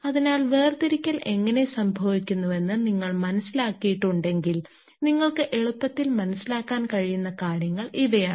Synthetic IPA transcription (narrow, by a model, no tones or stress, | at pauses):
ɐðinaːlʋe̞ːrt̪iɾikʲːɐlʔe̞ŋːɐne̞sɐmbʱɐʋikʲːunːuʋe̞nːɨniŋːɐɭmɐnɐsːilaːkːijiʈːuɳɖe̞ŋɡil | niŋːɐɭkɨʔe̞ɭupːɐt̪ːilmɐnɐsːilaːkːaːnkɐɻijunːɐkaːɾjɐŋːɐɭʔiðɐjaːɳɨ